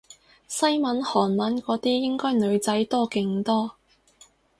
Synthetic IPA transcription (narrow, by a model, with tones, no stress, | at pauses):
sɐ˥jmɐ˨˧˥nhɔː˨˩nmɐ˨˧˥nkɔː˨˧˥t̪iː˥jɪ˥ŋkɔː˥jnɵ˨˧ɥt͡sɐ˨˥jt̪ɔː˥kɪ˨˧˥ŋt̪ɔː˥